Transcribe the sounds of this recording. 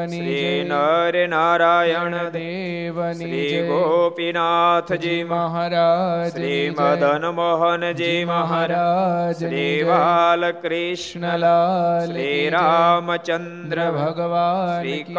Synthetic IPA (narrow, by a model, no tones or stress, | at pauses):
sɾiːnɐɾjɐnaːɾaːjɐɳɐ | ɾiːɡopinaːt̪ʰd͡ʒi | ɾiːmɐd̪ʱɐnɐmɔɦɐnɐd͡ʒiːʋɐɦɐ | ɾiːʋaːlɐkɾiʂɳɐ | ɾiːɾaːmɐt͡ʃɐnd̪ɾɐbʱɡʋɾiːk